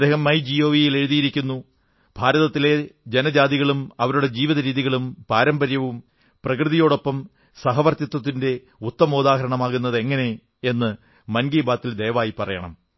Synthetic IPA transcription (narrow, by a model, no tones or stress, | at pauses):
ɐd̪eːhɐmːɐjd͡ʑio̞ːʋijile̞ɻuðijiɾikʲːunːu | bʱaːɾɐðɐt̪ːile̞d͡ʑe̞nɐd͡ʑaːd̪iɣɐɭumɐʋɐɾuɽe̞d͡ʑiːʋiðɐɾiːðiɣɐɭumpaːɾɐmbɐɾjɐʋum | prɐkrɨðijo̞ːɽo̞pːɐm | sɐɦɐʋɐrt̪jɐt̪wɐt̪ːinde̞ | ut̪ːɐmoːd̪aːɦɐɾɐɳɐmaːɣunːɐðe̞ŋːɐne̞ː | nːɨ | mɐnɡiːbaːt̪ːild̪e̞ːʋaːjipːɐrɐjɐ̰ɳɐ̰m